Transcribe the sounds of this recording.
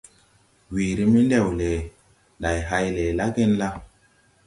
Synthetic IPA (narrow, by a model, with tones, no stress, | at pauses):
wi˨ɾi˦mi˦nde˦˨wle˨ | nda˨jɦa˦jle˨la˦ɡe˦nla˦